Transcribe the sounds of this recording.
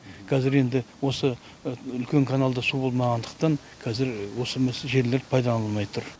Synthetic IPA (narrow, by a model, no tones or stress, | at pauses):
kʰɑzɪɾe̞nd̪ɪwo̞sə | ʏlkʲe̞ŋkʰanalˠd̪əsubo̞lˠmɑʁɑnd̪əq̚t̪ɑɴ | kʰæzɪɾwo̞səmesʒe̞ɾle̞ɾpʰɑjd̪ɑɑlˠmɑjt̪ʰʊɾ